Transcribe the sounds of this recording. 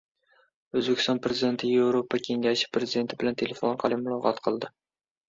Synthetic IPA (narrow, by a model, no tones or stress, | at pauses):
ɵzbekʲɪ̥st̪ɒnpɾezid̪e̞nt̪ʰɪjevɾopʰakʲʰe̞ŋɡʲaʃɪ̥pɾe̞zid̪e̞nt̪ʰɪbɪlant̪ʰe̞lefonɾˠqʰɑlˠɪmʊlˠɒqʰɒt̪qʰɨlˠd̪ɪ